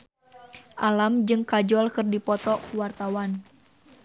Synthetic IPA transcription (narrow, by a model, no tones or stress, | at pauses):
ʔalamd͡ʒɨŋkad͡ʒɔlkɨrdipɔt̪ɔkuwart̪awan